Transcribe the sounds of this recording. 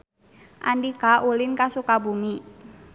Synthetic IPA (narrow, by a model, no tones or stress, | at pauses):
ʔandikaʔulɪnkasukabumi